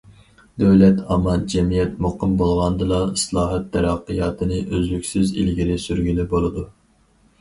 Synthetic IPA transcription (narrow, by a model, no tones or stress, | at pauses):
d̪øwlɛt̪ʰɑmɑnd͡ʒɛmijɛt̪moqɨmbolˠʁɑnd̪ɨlˠɑislˠɑːɦɛt̪ʰːɛɾɑqːəjɑːt̪ʰɨnɨʔøzlykʲsyzḭlɡʲilɪsyɾɡʲylɪbolˠɨd̪u